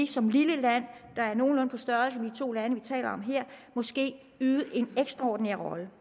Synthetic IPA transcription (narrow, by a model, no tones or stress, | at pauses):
isɒ̽mliləlæn̰d̥ɑ̈æɐno̝ːn̩lɔ̽npʰɒ̽sd̥ɶɐlsəmed̥it͡sʰo̝̰ːlænəʋit͡sʰɛ̰ːlɐɒ̽mɦeɐ̰mɒ̽sɡ̥e̝̰ː | yːðˠəʔe̝neɡ̥sd̥ʁɑɒ̰ːd̥n̩eɐʁɒ̽lə